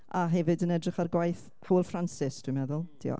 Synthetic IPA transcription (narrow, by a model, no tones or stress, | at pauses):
aɦɛvɨdənɛdrɪχarɡwajθ | hawəlˠfransɪsd̥wimɛðʊlˠd̥ḭɔ̰